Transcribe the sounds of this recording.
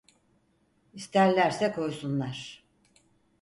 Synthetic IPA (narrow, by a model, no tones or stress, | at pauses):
ist̪ʰæɾlʲæɾsɛkʰo̞jsunlˠaɾ̥